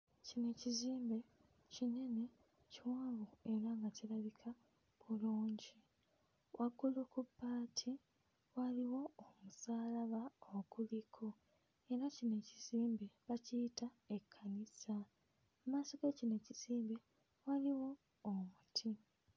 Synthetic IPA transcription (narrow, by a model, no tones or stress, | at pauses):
cine̞ciziːmbe̞ | cine̞ne̞ | ciwaːβue̞ɾaŋɡacilaβikʰa | βuluːɲɟi | wʔaɡulokupːaːtʰi | waliwo̞omusaːlaβaokulikʰo | e̞ɾacine̞ciz̥iːmbeβacita | e̞kʰːanisa | maso̞ɡecine̞ciz̥iːmbe | waliwo̞ː | mutʰi